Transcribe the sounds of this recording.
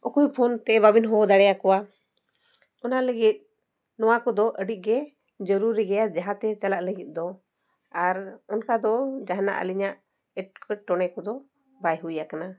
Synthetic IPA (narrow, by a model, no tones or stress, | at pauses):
ɔkujpʰɔnt̪ɛbabinɦɔd̪aɽɛjakɔwa | ɔnaləɡit̪̚ | nɔwakɔd̪ɔʔəɖiʔ̚ˀɡɛ | d͡ʒəɾuɾiɡɛjad͡ʒaɦãt̪ɛt͡ʃalaʔləɡit̪̚ˀd̪ɔ | aɾɔnkad̪ɔd͡ʒaɦna̰ʔə̰liɲaʔ | ɛʈkəʈɔɽɛkɔd̪ɔ | bajɦujakana